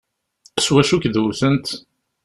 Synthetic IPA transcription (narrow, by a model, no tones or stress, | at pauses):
swæʃukðuθənt̪